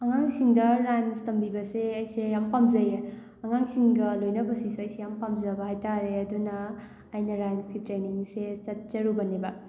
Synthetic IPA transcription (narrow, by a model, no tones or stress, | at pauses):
ɐŋaŋsiŋdɐɾajnstɐmbibɐseɐjsejampamzɐje | ɐŋaŋsiŋɡɐlojnɐbɐsisuɐjsejampamzɐbɐɦajtʰaɾeɐdunɐː | jnɐɾajnsɡitɾeniŋset͡ʃɐt̚d͡ʒɐɾubɐnebɐ